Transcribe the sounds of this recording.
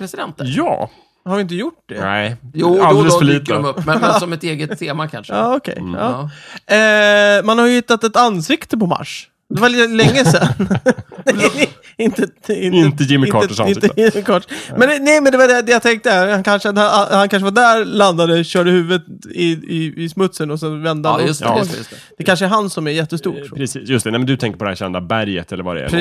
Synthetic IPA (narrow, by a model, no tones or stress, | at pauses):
pʰɾɛsɪd̪ɛnt̪ːjɑ̰ː | haɾvɪɪnt̪̬əjʊʈːd̪ɛ̰juːaldɛləsfəɭiːt̪ɔmɵpːmɛsɔmɛt̪eːɡət̪ʰːeːmakʰa̰nʂɑːɔkʰɛ̰jɑ̰ː | manhaɾjəhɪt̪ːat̪ɛt̪anːsɪkt̪əpɔma̰ʂ | d̪ɛvalɛŋːəsɛnnɛ | ɪnt̪əɪnɪnt̪əjɪmːɪkʰɑːɪnɪmɪkʰɑːʈmɛnnɛɪmɛnd̪ɛvaɖɛd̪ɛjat̪ʰɛŋk̚t̪əhankʰanʂəd̪ahankʰanʂəvaɖæɾland̪ad̪əɕœːɖəhʉ̟ːvət̪ɪɪɪsmɵt̪sənɔsɛnvɛnd̪əa | d̪̥ɛkʰanʂəɛɾɦansɔmæɾjɛt̪ːəst̪ṵːʈpʰɾɛsiːsjɵst̪ɛnɛmɛnd̪ɵt̪ʰɛŋkəɾpɔd̪ɛhæ̰ɾɕɛ̰nd̪abæɾjə̰t̪ɛlːəɾva̰ɾɛ̰ɛ̰